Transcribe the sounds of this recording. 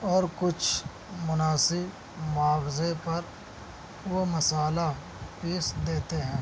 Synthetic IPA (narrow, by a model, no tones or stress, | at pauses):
ɔːɾkʊt͡ʃʰ | mʊnaːsɪb | mʊaːfzepɐɾ | ʋomɐsaːla | piːsd̪eːt̪eɦɛ̃ː